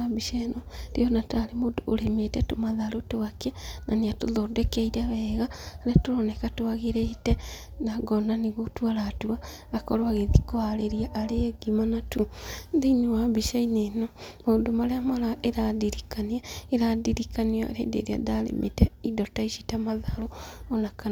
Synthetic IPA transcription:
abiʃenoɾḭonataɾemodoːɾemetɛtomaðaɾotowakenaniatoðodɛkɛiɾaβɛːɣaɾetoɾɔnekatoaɣeɾɛitɛ | naɡɔnaniɣotuwaɾatua | akɔɾwaɣeðikoaɾeɾiaʔaɾeɡimanatundiniwabiʃainenamadomaɾeamaɾaʔeɾadiɾikaniaeɾadiɾikaniɔa̰ɾḛːdḛɾia̰daɾḛmḛtɛidɔtaiʃitamaðaɾoonakan

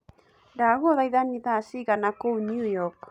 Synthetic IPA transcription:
daɣoðajðaniðasiɣanakownjujɔk

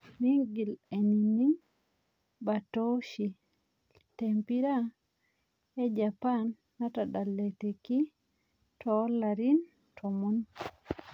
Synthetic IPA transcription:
niŋɡileninin | batoʃi | tempiɾa | ɛd͡ʒapanːatadalːeteki | tʰɔlaɾin | tʰɔmun

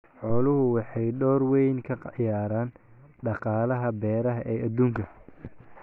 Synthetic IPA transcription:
ħɔːlʊɦʊwɑħɑjɖɔːrwɛjnkʰɐqjaːɾaːnɖɑqɑːlɐɦɐbɛːɾɐɦɐʔɛːʔɐd̪uːŋkʰɐ

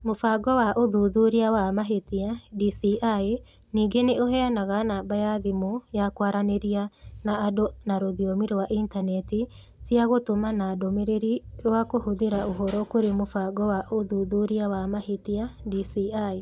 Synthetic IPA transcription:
mofaɡɔwaʔoðuðuɾiawamaɦetiadisiʔae | niːŋɡeneʔoɦɛanaɣanabajaðimojakwaɾaneɾianaːdonaɾoðiɔmiɾwaʔintanɛti | siaɣotomanadomeɾeɾiɾwakohoðeɾaoɦɔɾɔkoɾemofaɡɔwaʔoðuðuɾiawamahetiadisiae

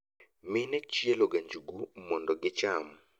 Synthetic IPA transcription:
mɪnɛt͡ʃieloɡaɲd͡ʒuɡumɔndɔɡɪt͡ʃamɔ

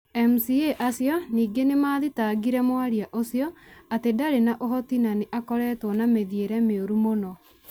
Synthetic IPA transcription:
ɛmusieʔasjɔniːɡenemaːðitaɡiɾɛmwaɾiaʔosijɔatedaɾenaʔoɦɔtinaneʔakɔɾɛːtwɔnameðieɾɛmeoɾumonɔ

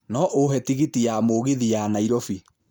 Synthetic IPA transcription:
nɔʔoɦɛtiɣitijamoːɣeðijanaiɾɔfi

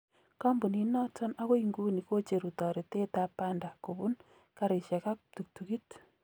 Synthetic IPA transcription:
kambuninɔtɔnakoiŋɡunikot͡ʃeɾutɔɾitetapandakobun | kaɾeʃakak̚tuk̚tukit

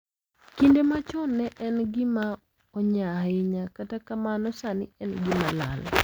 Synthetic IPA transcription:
kindemat͡ʃɔnːɛʔɛnɡɪma | ɔɲaɪɲakatakamanɔsanɪ̰ɛnɡɪmala̰l

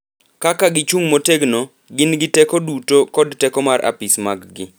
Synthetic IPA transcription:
kakaɡɪt͡ʃuŋmoteɡno | ɡɪnɡɪtɛkodutokɔdtɛkɔmarʔa̰pismaɡɡɪ

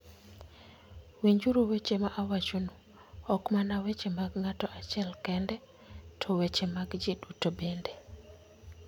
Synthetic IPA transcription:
wiɲd͡ʒuɾowet͡ʃemaʔawat͡ʃonu | ɔkmanawet͡ʃemaɡŋatɔʔat͡ʃɛlkɛndɛ | tʰɔwet͡ʃemaɡd͡ʒidutobende

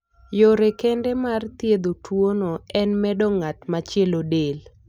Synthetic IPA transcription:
joɾekendɛmart̪jed̪otʰwonoɛnmɛdɔŋatmat͡ʃjelodel

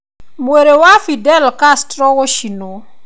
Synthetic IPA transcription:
mweɾewafidɛlkastɾɔɣɔʃino

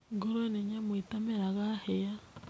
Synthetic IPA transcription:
ŋɡoɾoeneɲamwitameɾaɣaheja

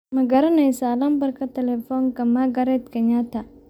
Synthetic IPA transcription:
mɐɡɐɾɐnɛjsaːlɐmbɐrkʰɐt̪ʰɛlɛfɔːŋkɐmaɡɐɾɛt̪kʰɛɲat̪ʰɐ

